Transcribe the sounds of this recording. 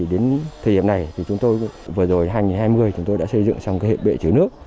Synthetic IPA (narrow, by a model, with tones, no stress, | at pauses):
ɗe˨˦nt̪ʰə˨˩ɗi˧˩əmna˨˩jt̪ʰi˨˩t͡ɕʊ˨˦ŋ͡mt̪o˧jvəː˨˩zo˨˩jɦaː˧jŋi˨˩nhaː˧jmɨ˧əjt͡ɕʊ˨˦ŋ͡mt̪o˧jɗa̰ː˧˥sə˧jzɨ̰˧˨ŋt͡ɕa˧wŋ͡mka˧hḛ˧˨˩p̚ɓḛ˧˨t͡ɕɨ˨˦nɨ̰˦˥ək̚